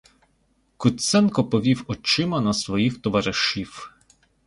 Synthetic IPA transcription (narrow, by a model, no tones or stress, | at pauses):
kʊt̪sɛnkɔpɔʋʲiwɔt͡ʃɪmɐnɐsʋɔjixt̪ɔʋɐɾɪʃiw